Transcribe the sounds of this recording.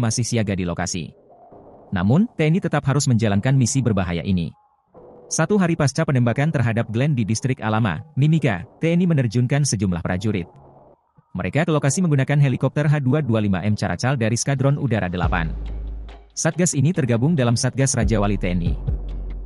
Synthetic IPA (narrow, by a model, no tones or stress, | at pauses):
masɪhsiaɡadiloka̰sḭ | na̰mʊnt̪eɛnit̪ət̪apɦaɾʊsməɲd͡ʒalankanmisibərbaɦaja̰ʔinḭ | sat̪uɦaɾipast͡ʃapənɛmbakant̪ərɦadap̚ɡlɛndidist̪ɾɪkalama̰nimika̰t̪eɛnimənərd͡ʒuŋkansəd͡ʒumla̰hpɾad͡ʒuɾɪ̰t̪̚ | məɾʔekakəlokasiməŋɡunakanɦelikɔp̚t̪ərɦaduadualima̰ʔɛmt͡ʃaɾa̰t͡ʃaldaɾiskadɾɔnudaɾa̰dəla̰pa̰n | sat̪̚ɡasinit̪ərɡabʊŋdalamsat̪̚ɡasrad͡ʒawalit̪eɛnḭ